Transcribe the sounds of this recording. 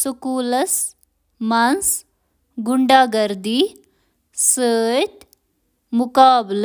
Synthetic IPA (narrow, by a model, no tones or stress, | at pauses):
sukuːlɐs | mɐns | ɡuɳɖaːɡɐɾd̪i | səːt̪ | mʊkaːbl